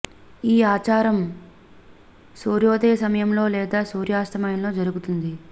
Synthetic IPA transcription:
iːaːt͡ʃaːɾɐm | suːɾjoːd̪eːsɐmɐjɐmlo̞ːlɛːd̪aːsuːɾjaːst̪ɐmɐjɐnlo̞ːd͡ʒɐɾuɡut̪und̪i

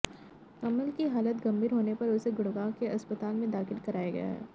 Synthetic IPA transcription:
kɐməlkiɦaːlət̪ɡɐ̃mbʱiːɾɦoːnepɐɾʊseɡʊɽɡaːkeɐspət̪aːlmẽd̪aːxɪlkɐɾaːjaɡɐ̰ja̰ː

